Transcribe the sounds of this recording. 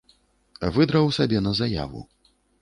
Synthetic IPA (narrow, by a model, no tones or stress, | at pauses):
vɨd̪ɾɐwsʲabʲɛnɐzaja̰vṵ